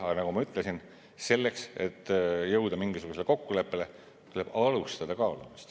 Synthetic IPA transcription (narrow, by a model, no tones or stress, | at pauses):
ɑnɑɡ̥umɑyt̪ˑlesin | se̞lːe̞kse̞t̪ːjɤwd̪̥ɑmiŋɡisuɡ̥useleko̞kːule̞pːe̞le̞ | t̪uleb̥ɑlust̪ɑd̪̥ɑkɑːlumist̪